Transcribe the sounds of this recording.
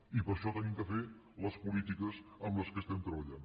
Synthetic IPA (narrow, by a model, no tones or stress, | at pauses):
ipəɾʃɔt̪ənimkəfe | ləspulit̪ikəsəmləskəst̪ɛmt̪ɾəβəʎan